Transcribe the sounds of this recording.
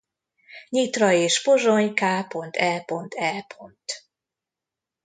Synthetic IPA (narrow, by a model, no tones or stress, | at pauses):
ɲit̪rɒeːʃpoʒoɲkaːpo̞nt̪ʰɛlpo̞nt̪ʰɛlpʰo̞nt̪